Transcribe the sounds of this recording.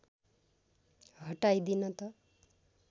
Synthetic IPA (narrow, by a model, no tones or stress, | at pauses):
ɦʌʈajd̪inʌt̪ʌ